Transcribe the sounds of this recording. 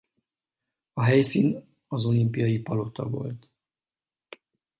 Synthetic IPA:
ɒɦɛjsiːn | ɒzo̞limpijɒjipɒlo̞t̪ɒ̰vo̞̰lt̪

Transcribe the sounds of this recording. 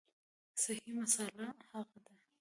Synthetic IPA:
sahimasalahaɣad̪a

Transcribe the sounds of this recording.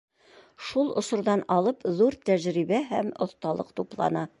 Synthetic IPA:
ʃulˠŏ̰sŏɾðɑnɑlˠɤpðuɾt̪æʑɾibæɦæmŏθt̪ɑlˠɤ̰qt̪uplˠɑ̰nɑ

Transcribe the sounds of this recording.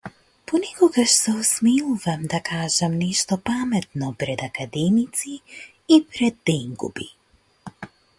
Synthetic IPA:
pɔnɛkɔɡaʃsɛɔsmiluvamd̪akʰaːʒɛmnɛʃt̪ɔpamɛt̪nɔpɾɛd̪akad̪ɛmit̪siː | pɾɛd̪ːɛŋɡṵbi

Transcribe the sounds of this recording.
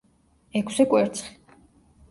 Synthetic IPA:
ɛkʰsɛkʼwɛɾt̪sʰχi̥

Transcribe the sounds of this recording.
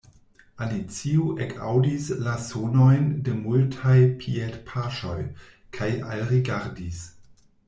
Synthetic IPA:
alit͡siuʔekʰa̰wdislasonojndemultʰajpʰietpʰaʃo̰j | kʰaja̰lɾiɡaɾdis

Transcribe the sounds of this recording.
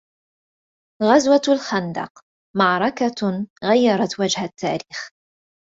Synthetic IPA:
ɣazwalxand̪ɑ̰q | mɑʕɾˤɑkaɣajːɑɾˤɑt̪wad͡ʒhat̪ʰːaːɾiːx

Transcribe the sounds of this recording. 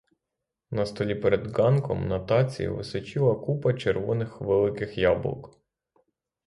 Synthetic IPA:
nɐst̪ɔlʲipɛɾed̪ɡɑnkɔ̰mnɐt̪ɑt͡sʲḭjɐ̰ʋɪsɪt͡ʃilˠɐkupɐt͡ʃeɾʋɔnɪxʋelˠɪkɪxjɑbl̰ˠk

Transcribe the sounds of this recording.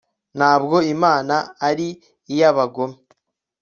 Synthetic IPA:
n̥haːbɡo̞imaːnaːɾiː | jaβaɡo̞me

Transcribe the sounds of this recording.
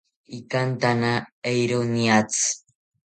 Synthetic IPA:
ikant̪anaejɾoniat͡s

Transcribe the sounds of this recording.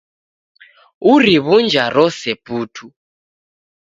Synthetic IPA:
uriβund͡ʒʱaɾɔsɛpuːtʰu

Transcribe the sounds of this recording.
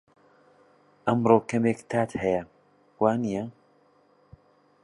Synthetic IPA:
ʔɐmɾoːkɐmekt̪ʰaːt̪hɐjɐ | waːnijɐ

